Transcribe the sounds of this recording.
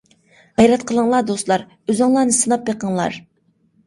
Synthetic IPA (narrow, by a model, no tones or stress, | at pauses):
ʁɛjɾɛt̪̚qʰəlˠəŋlˠɑɾd̪oslˠɑɾ | øzɨŋlˠɑɾnɨsɨnɑp̚beqəŋlˠɑ̰ɾ